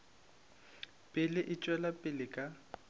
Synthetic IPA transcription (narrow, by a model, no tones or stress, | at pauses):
pʼɪlɪʔɪt͡ʃʼwɛlapʼɪlɪkʼa